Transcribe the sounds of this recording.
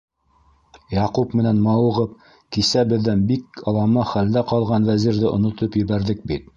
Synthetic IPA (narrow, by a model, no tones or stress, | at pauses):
jɑqupmɘ̆nænmɑwɤ̆ʁɤp̚ | kisæbɘ̆ðːænbikɑlˠɑmɑχæld̪æqɑlˠʁɑnwæziɾðɘʔŏnŏt̪ɤpjɘ̆βæɾðɘk̚bit̪̚